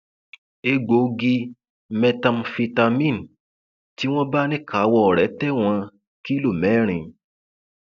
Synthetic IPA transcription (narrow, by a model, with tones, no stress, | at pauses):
e˧ɡ͡bo˨˦ɡi˧ | mɛ̃˧tã˧mfi˧ta˧mĩ˦˨n˨ | ti˦w̃ɔ̃˦ba˦nĩ˦ka˨˦wɔ˧ɔ˨ɾɛ˨˦tɛ˦w̃ɔ̃˧ | ki˦lo˦˨mɛ˨˦ɾ̃ĩ˧